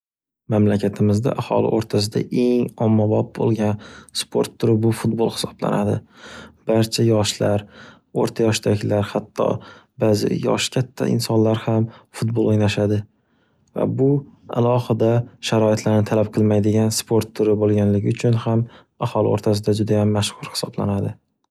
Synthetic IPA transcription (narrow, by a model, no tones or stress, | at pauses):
mamlakʲʰat̪ʰɪmɪzd̪a̰ʔahɒ̰lɪ̰ʔoɾt̪ʰas̬ɪd̪a̰ʔe̞ŋɒmːabɒp̚bo̰lˠɡʲanspʰo̞̰ɾt̪ʰːʊɾɪbʊfʊt̪̚bolˠhɪ̥sɒ̥bla̰nad̪ɪb̥aɾt͡ʃʰajɒʃlaɾ | oɾt̪ʰajɒʃd̪aɡʲɪlaɾhat̪ʰːɒ̰bazɪ̰jɒ̰ʃkʲʰat̪ʰːa̰ɪ̰nsɒnlaɾhamfʊt̪̚bolˠojnaʃad̪ɪ | va̰bʊa̰lˠɒhɨd̪aʃaɾɒɪt̪ʰlaɾnɪt̪ʰalap̚qʰɨlˠmajd̪ɪɡʲanspʰo̞ɾt̪ʰːʊɾɪbolˠɡʲanlɪɡʲɪʊt͡ʃʰʊnham | ahɒlˠɪoɾt̪ʰas̬ɪd̪ad͡ʒʊd̪ajamːaʃhʊɾhɪ̥sɒbla̰nad̪ɪ